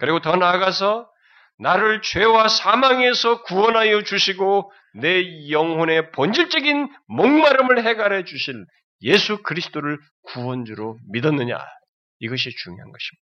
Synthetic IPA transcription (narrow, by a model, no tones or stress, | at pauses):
kɯɾiɡotʌnaɡasʰʌ | naɾɯɭt͡ɕwe̞wasʰamaŋe̞sʰʌkuwʌnɦajʌt͡ɕuɕʰiɡo | nejʌŋɦwone̞pʌnd͡ʑiɭt͡ɕ͈ʌɡin | moŋmaɾɯmɯɭɦe̞ɡaɾɦe̞d͡ʑuɕʰin | je̞sʰukɯɾisʰɯ̥t͈oɾɯɭ | kuwʌnd͡ʑuɾomidʌnːɯɲa̰ | iɡʌɕ̬ʰit͡ɕuŋjo̰ɦanɡʌɕʰi̥mi̥ḁḁ